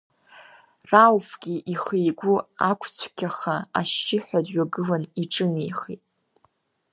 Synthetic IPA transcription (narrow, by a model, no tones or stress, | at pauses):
rawfɡʲiʔiχejɡʷuakʷʰt͡ɕʷʰkʲʰaχaa̰ʃt͡ʃɪħʷᶣadɥaɡɨlaniʈ͡ʂʼɨnejχitʼ